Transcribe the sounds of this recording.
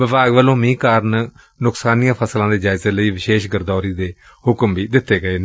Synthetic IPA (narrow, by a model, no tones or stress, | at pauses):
ʋɪʋaːɡʋəlõːmĩːkaːɾn | nʊksaːniːjãːpʰəslãːd̪eːd͡ʒaːɪzeːləiːʋɪʃeːʃɡəɾd̪ɔːɾiːd̪eː | hʊkəmbʱiːd̪ɪt̪ːeːɡəeːn